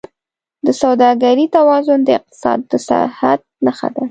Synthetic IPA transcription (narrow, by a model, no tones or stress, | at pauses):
d̪əsawd̪ɑɡaɾit̪awɑzʊnd̪əɪq̚t̪ɪ̥sɑ̰d̪ːəsa̰ha̰d̪̚naxa̰d̪a